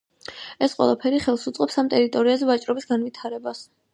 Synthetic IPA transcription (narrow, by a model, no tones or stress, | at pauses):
ɛsqʼwɛ̰lˠapʰɛɾiχɛlˠsut̪sʼqʼɛpsamt̪ʼɛɾit̪ʼɔɾiazɛvat͡ʃʼɾɔbisɡanvit̪ʰaɾɛbas